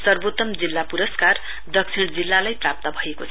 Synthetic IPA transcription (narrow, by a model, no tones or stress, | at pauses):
sʌrbot̪ːʌmd͡zilːapuɾʌskar | d̪ʌksʰiɽ̃d͡zilːalajprap̚t̪ʌbʱʌekot͡sʰ